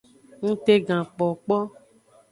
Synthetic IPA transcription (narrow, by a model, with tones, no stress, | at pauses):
ŋũ˦t̪e˦ɡã˨k͡pɔ˨k͡pɔ˦